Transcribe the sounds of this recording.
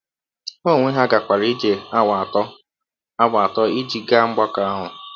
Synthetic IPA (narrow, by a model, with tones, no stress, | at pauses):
o˦˨ŋʷe˦ɦa˦ɡa˨kʷa˨ɾi˦d͡ʒe˨a˦wa˨tɔ˦ | a˦ɡ͡ba˨tɔ˦i˦d͡ʒi˦ɡa˦ŋ͡m̩˦ɡ͡ba˦ka˦a˦ɦʊ˨